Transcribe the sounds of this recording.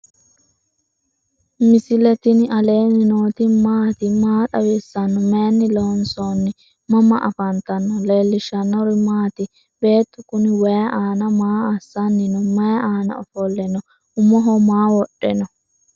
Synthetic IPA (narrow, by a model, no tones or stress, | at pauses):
mɪsɪlɛt̪ɪnɪɐle̞ːnɪnoːt̪ɪmaːt̪ɪmaːt̪ʼɐwɛsːɐnːɔmeːnːɪloːnsoːnːɪ | mɐmɐʔɐ̰fɐnt̪ɐnːɔleːlːɪʃɐnːɔɾɪmaːt̪ɪ | b̥e̞ːt̪ːʊkʊnɪwɐjɐʔaːnɐmaːɐsːɐnːɪnɔmɐjɐaːnɐ̰ɔfɔlːɛnɔ | ʊmɔɦɔmaːwɔɗːɛnɔ